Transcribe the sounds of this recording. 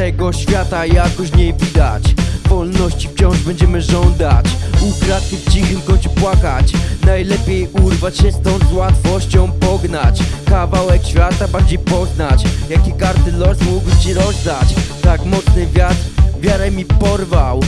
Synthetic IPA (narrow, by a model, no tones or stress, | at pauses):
t̪ɛɡɔɕfʲjat̪ajakɔɕɲɛvʲid̪at͡ɕvɔlnɔɕt͡ɕift͡ɕɔ̃w̃ʐbɛɲd͡ʑɛmɘʐɔnd̪at͡ɕukɾat̪̚kʲift͡ɕixɘmkɔɲʲt͡ɕupwakat͡ɕnajlɛpʲjejuɾvat͡ɕɕɛst̪ɔ̃w̃zwat̪fɔɕt͡ɕɔ̃w̃pɔɡnat͡ɕkavawɛkɕfʲjat̪abaɲd͡ʑejpɔznat͡ɕjakʲikaɾt̪ɪlɔsmuɡwt͡ɕiɾɔzd̪at͡ɕt̪akmɔt̪snɘvʲjat̪ɾvʲjaɾɛmʲipɔɾvaw